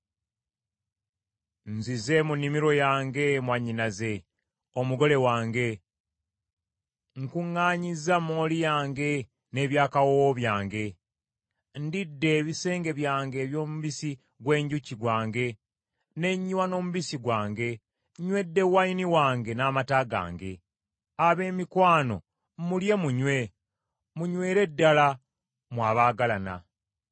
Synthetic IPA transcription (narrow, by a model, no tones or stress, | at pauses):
nzize̞munːimiɾo̞jaːŋɡe̞mwaɲinaze̞ | omuɡo̞le̞waːŋɡe̞ | ŋkuŋːaːɲizamoːlijaːŋɡe̞ | ne̞ːβjaːkawooβjaːŋɡe̞ | ndidːe̞ːβise̞ːŋɡe̞βjaːŋɡe̞ːβjo̞ːmuβisi | ɡwe̞ːɲɟuciɡwaːŋɡe̞ | ne̞ɲːiwano̞ːmuβisiɡwaːŋɡe̞ | ɲwe̞dːe̞wainiwaːŋɡe̞naːmataɡa̰ːŋɡe̞ | aβe̞ːmikwaːno̞̰ | mulje̞muɲwe̞ | muɲweːɾe̞dːala | mwaːβaːɡalana̰